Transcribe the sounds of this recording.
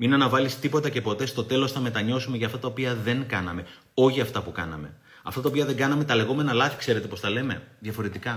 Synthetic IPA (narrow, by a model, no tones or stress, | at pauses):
minɐnɐvɐlist̪ipo̞t̪ɐce̞po̞t̪e̞st̪o̞t̪e̞lo̞sθɐme̞t̪ɐɲo̞sume̞ʝɐːft̪ɐt̪ɐopiɐðe̞ŋkɐnɐme̞ | o̞çiɐft̪ɐpukɐ̰nɐ̰me̞ | ɐft̪ɐt̪ɐo̞piɐðe̞ŋɡɐnɐme̞t̪ɐle̞ɣo̞me̞nɐlɐθi̥kse̞ɾe̞t̪e̞po̞sθɐle̞me̞̰ðjɐfo̞ɾe̞t̪ikɐ